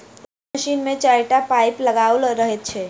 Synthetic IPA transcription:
əʃiːnmẽt͡ʃaɾʈapajpləɡaulɾəɦet̪̚t͡ʃʰe

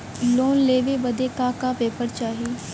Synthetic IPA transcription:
loːnleːʋeːbəd̪eːkakapeːpəɾt͡ʃaːɦiː

